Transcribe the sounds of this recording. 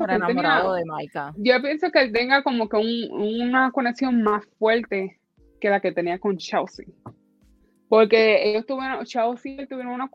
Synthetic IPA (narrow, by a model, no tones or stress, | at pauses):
oɾenaemɾaðoðemajkad͡ʒopje̞nso̞keelt̪eŋɡako̞mo̞keuŋunako̞neksjo̞ŋmasfwe̞ɾt̪e̞ | ke̞lake̞t̪e̞niako̞nt͡ʃawsḭ | po̞ɾke̞ejost̪uβjeɾoŋt͡ʃawsielt̪uβjeɾoŋuna